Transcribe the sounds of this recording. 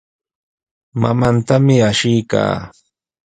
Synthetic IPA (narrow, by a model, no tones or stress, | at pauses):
mamant̪amɪaʃɪjka̰ː